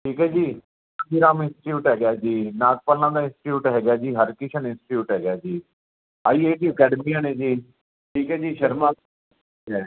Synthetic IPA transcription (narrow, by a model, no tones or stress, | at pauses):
ʈʰiːkɦɛːd͡ʒiː | ad͡ʒiɾaːmɪ̃nsɪ̥ʈjuːʈɦɛːɡjaːd͡ʒiːnaːk̚pəlnãːd̪aːɪ̃nsɪ̥ʈjuːʈɦɛːɡjaːd͡ʒiːɦəɾkɪʃʰənɪ̃nsɪ̥ʈjuːʈɦɛːɡjaːd͡ʒiː | aːiːeːʈiːəkɛːɖəmiːjãːnẽːd͡ʒiː | ʈʰiːkɦɛːd͡ʒiːʃəɾmãː | kɛː